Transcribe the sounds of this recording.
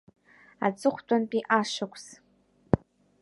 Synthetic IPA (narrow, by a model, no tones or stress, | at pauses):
at͡sʼɨχʷtʼanpʼiʔaʂakʷʰs